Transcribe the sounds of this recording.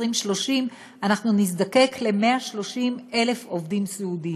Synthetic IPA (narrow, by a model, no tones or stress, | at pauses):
ʁimʃlo̞ʃim | anaχnunis̬d̪ake̞kʰle̞meaʃlo̞ʃime̞le̞fovdimseudi